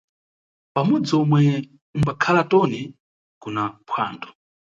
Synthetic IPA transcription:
pamɔd͡zɔmwɛ | umbakʰalatɔni | kunapʰwa̰ːndɔ̥

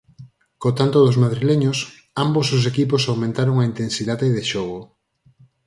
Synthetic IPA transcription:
kot̪ant̪oðʊzmaðɾileɲos | ambozðos̬ekiposawmẽnt̪aɾoŋaint̪ensiðaðeːðeʃɔɣ̞o

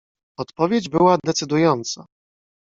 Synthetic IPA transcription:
ɔt̪pɔvʲjed͡ʑbɘwad̪ɛt̪sɘd̪ujɔnt̪sa̰

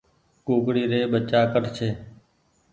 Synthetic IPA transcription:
koːkɽiːɾeːɓət͡ʃaːkəʈt͡ʃʰeː

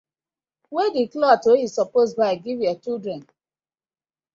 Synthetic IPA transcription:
wedeklɔtohisɔposbaɪɡivjɔt͡ʃildɹɛ̃n

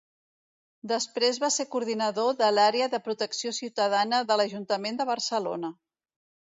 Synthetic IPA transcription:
d̪əspɾezβaseɾkuɾðinəðoðəlaɾeəðəpɾut̪əksiosiwt̪əðanəðələʒunt̪əmend̪əβ̞ərsəlo̰nə

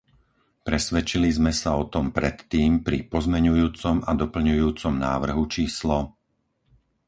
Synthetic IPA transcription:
pɾɛsʋɛt͡ʃilizmɛsaɔt̪ɔmpɾɛt̪ːiːmpɾipɔzmɛɲujuːt͡sɔmad̪ɔpl̩ɲujuːt͡sɔmna̰ːʋr̩ɦut͡ʃiːslɔ

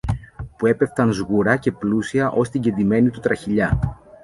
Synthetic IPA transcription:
pue̞pe̞ft̪ɐnzɣuɾɐce̞plusiɐʔo̞st̪iɟe̞nd̪ime̞nit̪ut̪ɾɐçiʎɐ

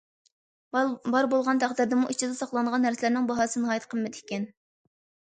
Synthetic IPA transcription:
bɑɾbolˠʁɑnt̪ʰæχd̪ɪɾd̪ɪmuʔit͡ʃʰid̪ɛsɑχlˠɑɴʁɑnːæɾsɪlɪɾnɪŋbɑɦɑːsɨnɨhɑːjɛt̪qʰəlˠmɪd̪ɪ̥kʲɛn

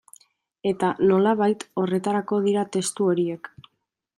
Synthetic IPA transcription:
e̞t̪ano̞laβajt̪o̞re̞t̪aɾako̞ð̞iɾat̪e̞st̪uo̞ɾie̞k

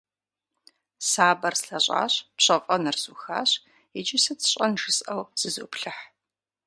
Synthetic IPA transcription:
saːbɐrsɬɐɕʼa̰ːɕpɕɐqʼɐnɐrzuːxa̰ːɕ | ɛd͡ʒɪsɐt͡sʰɨ̥ɕʼɐnʒɨsʼʔɐwz̥ɨzo̰ːpɬɨħ

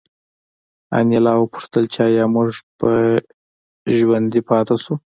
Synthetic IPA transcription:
a̰njalɑwəpʊ̥ʂt̪əlt͡ʃɑjɑmuʐpə | ʒwand̪ipɑt̪asu

